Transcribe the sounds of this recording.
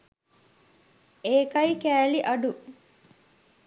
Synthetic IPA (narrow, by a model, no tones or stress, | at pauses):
eːkɐjikæːliʔɐɖu